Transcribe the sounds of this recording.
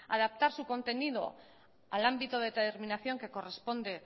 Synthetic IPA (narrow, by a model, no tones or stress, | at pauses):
a̰ð̞ap̚t̪aɾsuko̞nt̪e̞nið̞o̰ | alambit̪oð̞et̪eɾminaθjo̞ŋke̞ko̞re̞spo̞nd̪e̞